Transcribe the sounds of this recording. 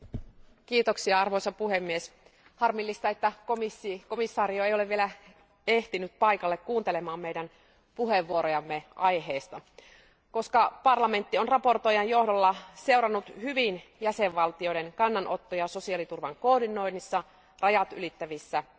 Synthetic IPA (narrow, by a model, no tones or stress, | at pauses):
kiːt̪oksiɑɑrʋojsɑpuhemːies | hɑrmilːist̪ɑe̞t̪ːækomisːiko̞misːɑːɾioe̞joleʋʋielæ | eht̪inyt̪̚pɑikɑlːekkuːnt̪elemɑːmmeijdæn | puɦheʋːuoɾojɑmːeʔɑjɦeːst̪ɑ | ko̞skɑpɑrlɑme̞nt̪ːionrɑpo̞rt̪ojɑjjo̞hdolːɑse̞wɾɑnːut̪hyʋinjæseʋʋɑlt̪io̞jdenkɑnːɑnʔo̞t̪ːojɑso̞siɑlit̪urʋɑŋkoːdino̞inːisːɑ | rʔɑjɑt̪y̰lit̪ːæʋisːæ